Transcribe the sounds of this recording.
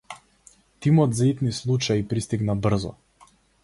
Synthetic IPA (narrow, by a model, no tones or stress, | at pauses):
t̪imɔd̪zait̪nislˠut͡ʃaipɾist̪iɡnabr̩zɔ̰